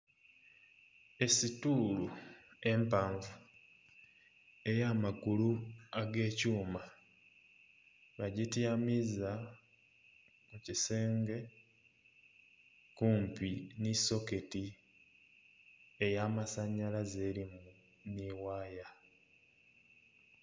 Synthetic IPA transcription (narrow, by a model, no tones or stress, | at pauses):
e̞situːlue̞mpaːɱvu | e̞jaːmaɡuluaɡe̞ːcuːma | βaɟitjamiza | muciseːŋɡe̞ | kuːmpiniso̞ke̞ti | ejaːmasaɲːalaze̞ɾimu | niwaːja